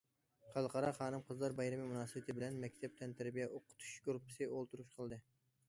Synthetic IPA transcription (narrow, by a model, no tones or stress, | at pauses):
χɑlˠqɑɾɑχɑːnɨmqʰəzlˠɑɾbɑjɾɨmimunɑːsɨbɪt̪ʰɪbɪlɛnmɛkʲt̪ʰɛp̚t̪ʰɛnt̪ʰæɾbijɛʔoqʰʊ̥t̪ʰu̥ʃɡuɾpːɨ̥sɨʔolˠt̪uɾuʃqʰəlˠd̪ɨ